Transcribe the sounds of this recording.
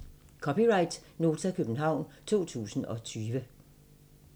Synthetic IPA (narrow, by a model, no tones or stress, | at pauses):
kʰɒ̽piʁɑ̈ɪd̥no̝ːt͡sʰækʰøb̥n̩ɦɑ̈ʊ̰nt͡sʰo̝̰ːt͡sʰṵːsn̩ɒ̽t͡sʰyːʋə